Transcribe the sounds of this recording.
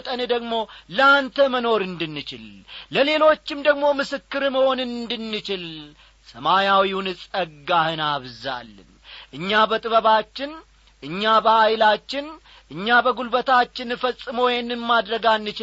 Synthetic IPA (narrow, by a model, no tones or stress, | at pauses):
t̪ʼənd̪əɡmo̞ləant̪ʰəməno̞ɾɨnd̪ɨnːɨt͡ʃɪlləle̞lo̞t͡ʃːɪmd̪əɡmo̞mɨsɨkːɨɾɨməho̞nɨnd̪ɨnːɨt͡ʃɪl | səmajawiunɨsʼəɡːahɨnaβza̰lːɨ̰n | ʔɨɲːabət̪ʼɨβəβat͡ʃːɪn | ʔɨɲːabəajlat͡ʃːɪn | ʔɨɲːabəɡulbət̪ʰat͡ʃːɪnfəsʼːɨmowjnɨmːad̪ɾəɡanːɨt͡ʃɪ